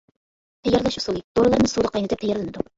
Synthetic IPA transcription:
t̪ʰɛjːɛɾlˠɑʃusulˠid̪̥oɾɨlˠɑɾnɨsud̪əqʰɑjnɨt̪ʰɛpt̪ʰɛjɛɾlˠɪnɨd̪u

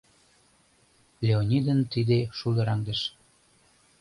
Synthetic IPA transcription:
lʲeonʲid̪ənt̪id̪eʃulə̆ɾɑŋd̪əʃ

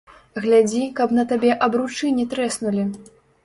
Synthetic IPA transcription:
ɣlʲad͡zʲikɐpnɐt̪abʲɛʔɐbɾut͡ʂɨnʲit̪ɾɛsnulʲi

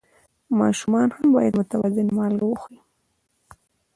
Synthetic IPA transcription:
mɑ̰ʃumɑnhambɑjad̪mʊt̪awazɪnmɑlɡawəxi

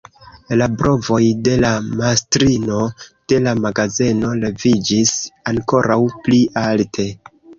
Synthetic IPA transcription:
labɾʔo̞vo̞jde̞lamastɾino̞d̥e̞lamaɡazeno̞le̞vid͡ʒisaŋko̞ɾawpliʔaltʰe̞

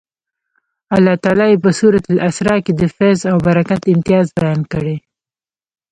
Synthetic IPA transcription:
alːɑt̪ɑlɑjepəsuɾat̪ləʔasɾɑked̪əfazawbaɾakat̪ɪmt̪ijɑzbajɑnkəɽe

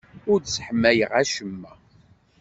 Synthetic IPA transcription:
ʊɾd̪sħəmːæjəʁæʃəmːæ

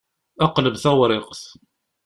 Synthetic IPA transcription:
æqləbθæwɾˤɪqθ

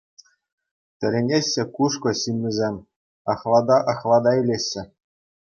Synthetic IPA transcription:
t̪ʲɘ̆ɾʲenʲeɕʲːɘ̆kuʂkɤ̆ɕɯmːʲɘ̆zʲemʲ | ɑχlˠɑd̪ɑʔɑχlˠɑd̪ɑilʲeɕːɘ̆

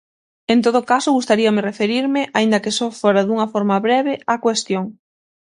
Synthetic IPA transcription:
ent̪oð̞ʊkasʊɣust̪aɾiɐmɪrefeɾiɾmɪʔaind̪ɐkɪsɔfoɾɐðuŋɐfɔɾmɐβɾɛβɪakwest̪joŋ

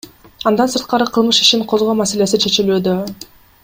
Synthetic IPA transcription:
ɑnd̪ɑnsɯɾt̪̚qɑɾɯqʰɯlˠmɯʃi̥ʃiɴqʰo̞zʁoːmase̞le̞sit͡ʃʰe̞t͡ʃilyːd̪ø

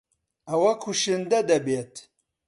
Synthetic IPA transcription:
ɐwɐkʰuʃɨnd̪ɐd̪ɐbeːt̪

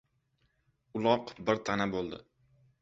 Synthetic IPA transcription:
ʊlˠɒqbɪɾt̪ʰanabolˠd̪ɪ̰

